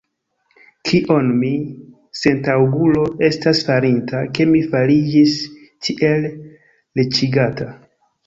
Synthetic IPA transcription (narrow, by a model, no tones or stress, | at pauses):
kʰiʔo̞nmi | se̞ntawɡulo̞e̞stasfaɾintʰake̞mifalid͡ʒis | tʰiʔe̞lː | et͡ʃiɡata